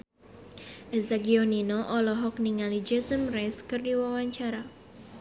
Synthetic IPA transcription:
ʔɛzaɡiɔninoʔɔlɔɦɔk̚niŋalid͡ʒɛsəmrɛskɨrdiwawaɲt͡ʃaɾa

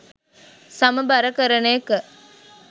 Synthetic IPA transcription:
sɐmɐbɐɾɐkəɾɐnekə

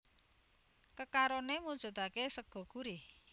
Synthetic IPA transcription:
kəkaɾonemu̥ʒ̥ɔ̤d̪̥akesəɡ̥ɔ̤ɡ̥ṳɾe

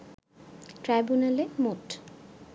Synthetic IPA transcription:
ʈɾajbunalemoʈ

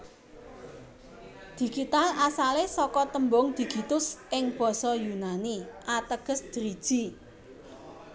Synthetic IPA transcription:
d̪̥i̤ɡ̥it̪alasalesɔkɔt̪əmbɔŋd̪̥i̤ɡ̥i̤t̪ʊsɪŋb̥ɔ̤sɔjunaniʔat̪əɡ̥ə̤sd̪̥əɾid̥ʒ̥i

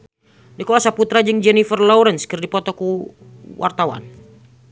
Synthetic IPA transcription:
dikɔlasaput̪ɾad͡ʒɨŋd͡ʒɛnifərlɔuɾɛnskɨrdipɔt̪ɔku | wʔa̰rt̪awa̰n

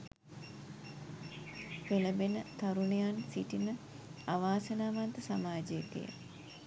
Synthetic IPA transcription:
peləbenət̪aɾunejansiʈinə | aʋaːsənaːʋant̪əsamaːd͡ʒəjet̪ḭjə̰

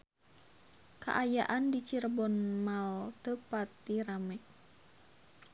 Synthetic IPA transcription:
ka̰ʔajaʔandit͡ʃirbɔnmalt̪əpat̪ːiɾamɛʔ

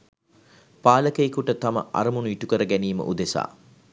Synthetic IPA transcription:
paːləkəjikuʈət̪amə̰ʔa̰ɾəmunuiʈukəɾəɡæniːmə̰ʔud̪esa̰ː

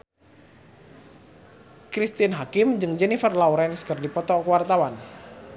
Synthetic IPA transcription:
kɾist̪inɦakimd͡ʒɨŋd͡ʒɛnifərlauɾɛnskərdipɔt̪ɔkwart̪awan

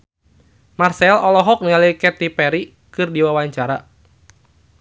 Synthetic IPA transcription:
marsɛlɔlɔɦɔk̚nialikɛt̪ipɛɾi | kɨrdiwawaɲt͡ʃaɾa

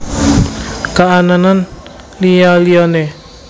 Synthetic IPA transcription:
kaʔananan | lijɔlijɔne

